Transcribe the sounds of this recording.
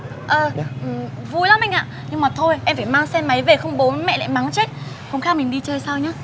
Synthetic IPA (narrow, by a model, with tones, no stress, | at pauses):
ʔəː˨˩˧ʔ | vu˧jla˨˦mʔa˧jŋ̟ʔa̰ː˧˨ɲɨ˧ŋmaː˨˩t̪ʰo˧jʔɛ˧mfaː˧˩jmaː˧ŋsɛ˧mːa˨˦jve˨˩xə˧wŋ͡mɓo˨˦˨mɛ̰˧˨lɛ̰ː˧˥˨ma˨˦ŋt͡ɕe˦˥t̚ | xə˧wŋ͡mxaː˦˥wmi˨˩ŋɗi˧t͡ɕəː˧jsaː˧wɲaː˨˦